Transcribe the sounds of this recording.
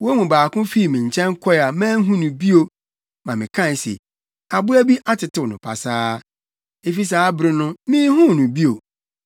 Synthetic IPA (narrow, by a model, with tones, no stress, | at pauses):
wo˦mũ˨baː˨kʊ̃˦fi˦˨mĩ˨ɲ˨t͡ɕʰɛ̃˦ŋ˦kʰɔ˦˨a˨mɛ̃ː˦n˦ɦũ˦nʊ̃˨bi˦o˨ | mã˨mɪ̃˨kʰã˦˨n˨sḛ˨ | a˨bʊ˦æ˦bi˦ʔa˦tʰɪ˨tɪ˦wnʊ̃˨pʰa̰˨saː˦ | e˨fi˦s̬aː˨˦bɾɪ˦nʊ̃˦mĩː˦hũ˦˨nʊ̃˨bi˦o˨